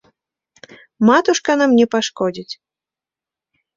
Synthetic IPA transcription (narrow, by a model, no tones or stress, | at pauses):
mat̪uʂkɐnamnʲɛpaʂkɔd͡zʲit͡sʲ